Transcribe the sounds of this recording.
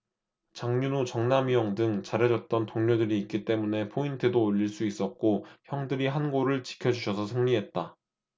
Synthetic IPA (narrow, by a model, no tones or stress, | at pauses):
t͡ɕaŋɲunut͡ɕʌŋnamijʌŋdɯŋt͡ɕaɾʌd͡ʑʌt̚t͈ʌntoŋɲodɯɾiːk͈it͈e̞mune̞pʰointʰɯdoːʎːiɭs͈uis͈ʌt̚k͈oçjʌŋdɯɾiɦanɡoɾɯɭt͡ɕi̥kʰjʌd͡ʑuɕʰʌsʰʌsʰɯŋɲiɦe̞t̚t͈a